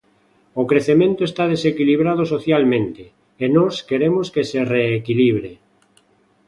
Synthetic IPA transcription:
okɾeθemẽnt̪oest̪að̞esekiliβ̞ɾað̞osoθjalmẽnt̪eː | nɔskeɾemoskesereːkiliβɾe

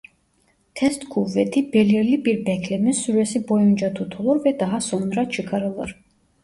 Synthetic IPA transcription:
t̪ʰɛst̪kʰuvːɛt̪ʰibɛliɾlibiɾbɛkʰlɛmisuɾɛsibɔjund͡ʒat̪ʰut̪ʰulˠuɾvɛd̪aɦasɔnɾat͡ʃʰɨkʰɑɾɯlˠɯ̰ɾ

